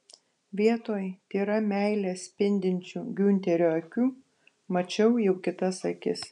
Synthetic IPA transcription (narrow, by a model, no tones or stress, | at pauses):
ʋʲiɛt̪oːjt̪ʲiːɾɐmʲæˑɪlʲeːspʲɪnʲd̪ʲɪnʲt͡ʃʲuːɡʲʊnʲt̪ʲɛɾʲoːɐkʲuː | mɐt͡ʃʲɛʊjɛʊkʲɪt̪ɐsɐkʲɪs